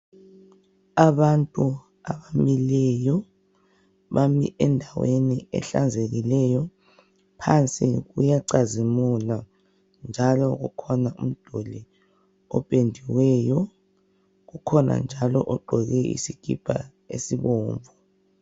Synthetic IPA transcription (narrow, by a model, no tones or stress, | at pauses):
aβantʼu | aβamilɛjɔ | βamḭʔɛndʱaweniɛ̰ɬand͡zʱeɣilɛjɔ | pʰant͡sʼḭɣujaǀazimuna | nd͡ʒʱalɔɣukʰɔnaum̩d̥ʱoli | ɔpʼendʱiwɛːjɔ | ɣukʰɔna̰nd͡ʒʱalɔʔɔǃʱɔɣɛḭsiɡ̥ʱḭb̥ʰʱʼa̰ | ḛsiβɔːɱvʱɔ